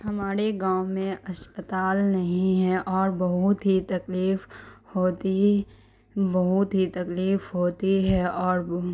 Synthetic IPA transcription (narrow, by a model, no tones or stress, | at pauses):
hɐmaːɾeɡãːwmẽʔɐspət̪aːlnɐɦĩɦɛʔɔːɾbɐɦʊt̪ɦit̪ɐkliːfhoːt̪i | bɐɦʊt̪ɦit̪ɐkliːfɦoːt̪iɦɛɔːɾ